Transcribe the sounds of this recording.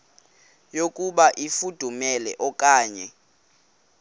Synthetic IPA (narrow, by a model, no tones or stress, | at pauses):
jokʼuɓaʔifud̥ʱumɛlɛ̰ʔɔkʼaːɲɛ